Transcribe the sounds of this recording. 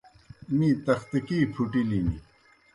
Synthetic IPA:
mĩt̪ɐxt̪ikiːpʰuʈilinḭ

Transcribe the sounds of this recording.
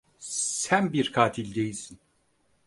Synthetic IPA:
sænbiɾkʰaːt̪ʰilʲd̪ejisin

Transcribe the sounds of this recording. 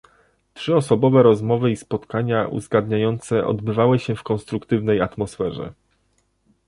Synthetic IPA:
tʂɘɔsɔbɔvɛɾɔzmɔvɘispɔt̪kaɲaʔṵzɡad̪ɲajɔnt̪sɛʔɔ̰d̪bɘvawɘɕɛfkɔ̃nst̪ɾukt̪ɘvnɛjat̪mɔsfɛʐɛ̰

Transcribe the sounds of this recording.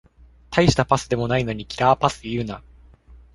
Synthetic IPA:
t̪ʰaiɕi̥t̪apasɨd̪e̞mo̞naino̞ɲ̟ikʲʰiɾaːpasɨiiɾɯ̟na

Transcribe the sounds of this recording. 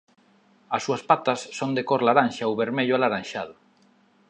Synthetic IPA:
asːuaspat̪asːond̪ekoɾlaɾanʃaoβeɾmeʎʊalaɾanʃaðʊ

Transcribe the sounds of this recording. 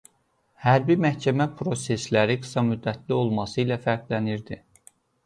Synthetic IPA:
hæɾbimæhcʰæmæpʰɾo̞se̞slæɾiɡɯ̥sɑmyd̪ːæt̪ʰlio̞lˠmɑsɯilæfæɾɡlæniɾd̪i

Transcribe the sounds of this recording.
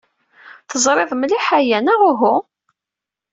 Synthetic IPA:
θəzˤɾˤeðˤmliħajænaʁʊɦu

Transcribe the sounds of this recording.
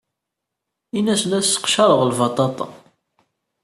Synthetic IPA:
inæsənæsə̥qʃɑɾˤəʁlvɑt̪ˤɑt̪ˤɑ̰

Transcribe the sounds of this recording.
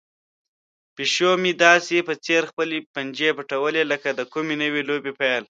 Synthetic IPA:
piʃomid̪ɑsepət͡seɾxpəlepand͡ʒepəʈawəleləkad̪əkumenəwelobepajl

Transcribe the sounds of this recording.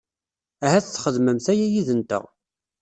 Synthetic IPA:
æɦæθθːχəðməmθæjæjiðənt̪ə̰ʁ

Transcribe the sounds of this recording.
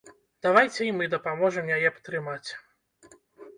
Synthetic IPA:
d̪̥avajt͡sʲɛimɨd̪ɐpamɔʐɨmjajɛpɐ̥t̪ɾɨmat͡sʲ

